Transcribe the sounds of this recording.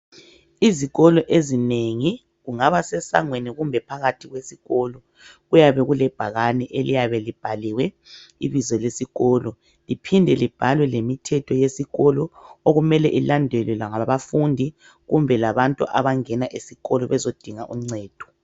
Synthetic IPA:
iziɣɔlɔʔezineŋi | ɣuŋaβasɛsa̰ŋweniɣumbʱɛpʰaɣatʰiɣwesiɣɔlɔ | ɣujaβɛɣulɛb̥ʱaɣanɛʔelijaβɛlib̥ʱaliwɛ | iβizɔlesiɣɔlɔ | lipʰindʱɛlib̥ʱalwɛlemitʰɛtʰɔjesiɣɔlɔoɣumɛlɛʔilandʱɛlwɛlaŋaβafundʱi | ɣumbʱɛlaβantʼṵʔa̰βaŋɛnaʔesiɣɔlɔβɛzod̥ʱiŋaʔṵm̩ŋ͡ǀɛːd̥ʱɔ̥

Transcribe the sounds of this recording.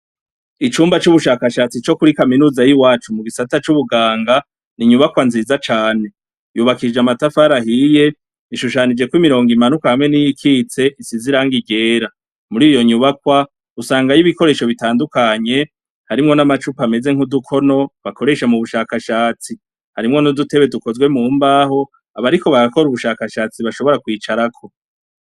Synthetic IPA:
it͡ʃuːmbat͡ʃuβuʃaːkaʃaːt͡sit͡ʃo̞kuɾikaminuːzajiwaːt͡ʃumuɡisatat͡ʃuβuɡaːŋɡa | niɲuβakwanziːzat͡ʃaːne̞ | juβakid͡ʒeamatafaɾahije̞ | iʃuʃanid͡ʒe̞kwimiɾo̞ːŋɡimanukahamŋe̞nijikʰiːt͡se̞ʔisiziɾaŋɡiɟe̞ːɾa | muɾiːjo̞ɲuβakwa | usaːŋɡajiβiko̞ɾe̞ːʃo̞βitaːndukaɲe̞ | haɾimŋo̞namat͡ʃupame̞ze̞ŋ̥hudukʰo̞no̞βako̞ɾe̞ʃamuβuʃaːkaʃaːt͡si | haɾimŋo̞nudute̞βe̞duko̞zɡwe̞muːmbaːho̞ | aβaɾiko̞βaɡako̞ɾuβuʃaːkaʃaːt͡siβaʃo̞βo̞ɾakwiːt͡ʃaɾakʰo̞

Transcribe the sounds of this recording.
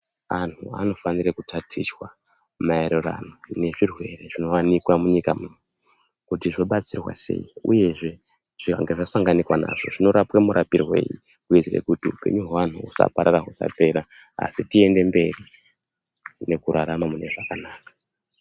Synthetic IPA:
anua̰no̞fanirekutʰatʰiswa | maeɾora̰none̞ʐirwe̞re̞ʐino̞wanikwamuɲikamunu | kutiʐo̞ɓat͡sirwa̰se̞̰iṵje̞ʐe̞ | ʐ̥ira̰ŋɡeʐasaŋɡanikwana̰ʐ̥o̞̰ʐino̞ɾapwemuɾʔapirwḛːjḭ | kuid͡zirḛkutiupe̞̰ɲuɦwan̤uusa̰paɾaɾaɦusa̰pe̞ɾa | a̰sitie̞nde̞mbe̞ri | ne̞kuɾaɾamamune̞ʐakanaːkḁ

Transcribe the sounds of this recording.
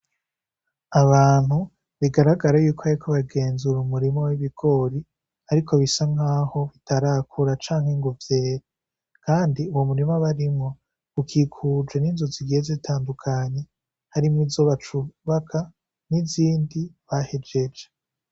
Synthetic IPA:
aβaːn̥hu | βiɡaɾaɡaɾajuːkʰoaɾikʰo̞βaɡe̞ːnzuɾumuɾimo̞wiβiɡo̞ɾi | aɾikʰo̞βisaŋ̥haːho̞βitaɾakʰuɾat͡ʃaːŋ̥heŋɡuvje̞ːɾe | kʰaːndiuwomuɾimaβaɾimŋo̞ | ukʰikʰud͡ʒwe̞niːnzuziɡijezitʰaːndukʰaɲe̞ | haɾimizo̞βat͡ʃuβakʰa | niziːndiβahed͡ʒe̞d͡ʒe

